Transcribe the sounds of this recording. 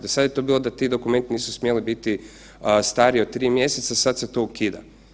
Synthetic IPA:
d̪esad̪jet̪o̞biːlˠod̪at̪id̪o̞kume̞nt̪iniːsusmjelibit̪i | st̪aːɾiod̪̚t̪ɾiːmje̞set̪sasad̪set̪o̞ukiːd̪a̰

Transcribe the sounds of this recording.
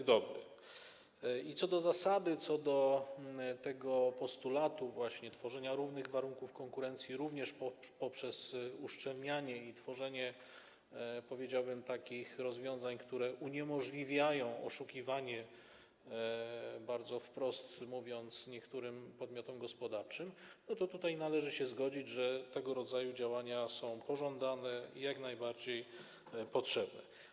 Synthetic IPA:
d̪ɔbɾɘ̰ | it̪sɔd̪ɔzasad̪ɘt̪sɔd̪ɔ | t̪ɛɡɔpɔst̪ulat̪uvwaɕɲɛt̪fɔʐɛɲaɾuvnɘɣvaɾuŋkufkɔŋkuɾɛnt̪sʲjiɾuvɲɛʂppɔpʂɛzuʂt͡ʂɛlɲʲaɲɛit̪fɔʐɛɲɛ | pɔvʲjed͡ʑawbɘmt̪akʲixɾɔzvʲjɔ̃w̃zaɲkt̪uɾɛʔuɲɛmɔʐlʲivʲjajɔ̃w̃ɔʂukʲivaɲɛ | baɾd̪zɔfpɾɔst̪muvʲjɔnt̪sɲɛkt̪uɾɘmpɔd̪mʲjɔt̪ɔmɡɔspɔd̪aɾt͡ʂɘmnɔt̪ɔt̪ut̪ajnalɛʐɘɕɛzɡɔd͡ʑid͡ʑʐɛt̪ɛɡɔɾɔd̪zajud͡ʑawaɲasɔ̃w̃pɔʐɔnd̪anɛḭjaknajbaɾd͡ʑej | pɔtʂɛbnɛ̰

